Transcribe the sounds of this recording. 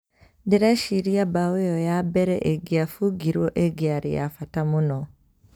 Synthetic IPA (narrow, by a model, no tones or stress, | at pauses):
diɾaʃiɾiabawejojabeɾɛ̰ʔeɡiafuɡiɾwoʔeɡiaɾḭja̰fatamuno